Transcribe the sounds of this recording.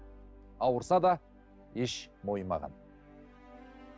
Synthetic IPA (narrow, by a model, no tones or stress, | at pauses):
ɑwəɾsɑd̪ɑ | eʃmo̞jmɑ̰ʁɑ̰n